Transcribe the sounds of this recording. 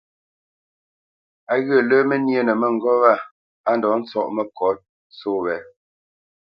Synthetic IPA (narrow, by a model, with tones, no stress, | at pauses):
a˨ɣə˦˨lə˦mə˦nje˦˨nə˨mə˦˨ŋ̩˨ɡɔ˦wa˦˨ | a˦n˨dɔ˨˦n̩˦t͡sɔ˦ʔmə˦˨kɔ˨˦t̚ | soː˦wɛ˨